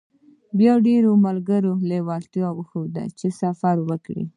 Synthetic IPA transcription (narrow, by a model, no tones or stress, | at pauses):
bjɑwɖeɾomalɡəɾolewɑlt̪iawəxowd̪a̰t͡ʃesafaɾwəkɽḭ